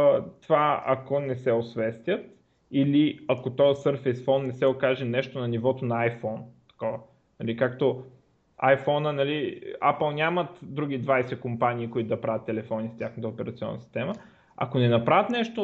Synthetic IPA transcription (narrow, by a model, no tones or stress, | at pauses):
t̪ovaɐ̰konɛsɛosvɛst̪ʲət̪ | iliɐkot̪ɔjəsəɾfɛjsfɔnːɛsɛokaʒɛnɛʃt̪onɐnivɔt̪onɐajfɔnt̪ɐ̥kɔvə | nɐlikakt̪o | ajfɔnənɐliapəlˠnʲamət̪d̪ɾuɡ̟id̪vajsɛkompaniːkoʊit̪od̪ɐpɾavʲɐt̪ːɛlɛfɔnistʲjaxnət̪əopɛɾɐt̪siɔ̰nːɐ̰si̥st̪ɛmə | ɐ̰konɛnɐpɾavət̪nɛʃt̪o